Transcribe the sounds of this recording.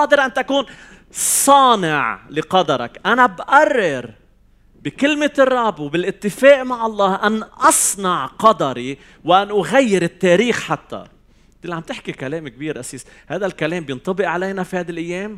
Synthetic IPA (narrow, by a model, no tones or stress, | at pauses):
ɑːd̪ɪɾʔant̪akuːn | sˤɑːnɪʕlɪqɑd̪ɑɾˤɑ̰kʔanabʔarˤːɪɾ | bɪkɪlmɪɨrˤːɑbwbɪlʔɪt̪ːɪfeːʔmaʕɑlˤːɑːhʔanʔɑsˤnɑʕqɑd̪ɑɾˤi | wʔanʔʊɣajːɪɾɪt̪ːeːɾiːxħat̪ːa̰ | t̪ɪlʕamt̪ɪħkikaleːmk̚biːɾʔasiːs | haːd̪alkaleːmbjɪnt̪ˤɑbɪʔʕalajnafihaːd̪alʔɪjːeːm